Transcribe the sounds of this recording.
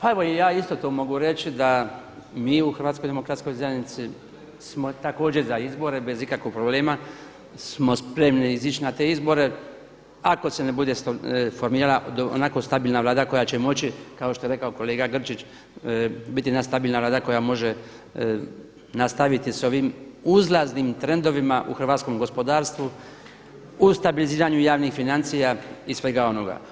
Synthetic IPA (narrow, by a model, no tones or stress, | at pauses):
pae̞ʋo̞ijaːist̪o̞t̪oːmo̞ɡuɾet͡ʃid̪a | miːuxɾʋat̪skod̪emokɾat̪sko̞jzajnit̪si | smo̞t̪ako̞ːd͡ʒeɾzaizbo̞ɾe̞be̞zikakʋoɡ̚pɾoble̞ːma | smo̞spɾe̞mniizit͡ʃinat̪e̞izbo̞ɾe̞ | ako̞se̞nebud̪e̞fo̞ɾmiːɾalaʔd̪oo̰nako̞st̪abiːlˠnaʋlaːd̪ako̞jat͡ɕemo̞t͡ʃikao̞ʃt̪o̞je̞ɾe̞kaoko̞le̞ːɡaɡr̩t͡ʃit͡ʃ | bit̪inast̪abiːlnaʋlˠaːd̪ako̞jamo̞ʒe | nast̪aʋit̪iso̞ʋimuzlˠaznimt̪ɾe̞nd̪o̞ʋimaʔṵxrʋaːt̪sko̞mɡo̞spo̞d̪aːɾst̪ʋu | ust̪abiliziːɾaɲujaːʋnixfinant̪sijaisʋe̞ɡao̞no̞ɡa̰